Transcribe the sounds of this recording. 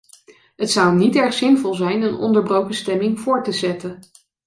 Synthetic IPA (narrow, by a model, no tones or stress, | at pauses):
ɦətsʌwnitɛɹχsɪnvɔlˠzɛjnənɔ̰ndəɹbrowkəstɛmɪŋv̥ʊːɹtəzɛtə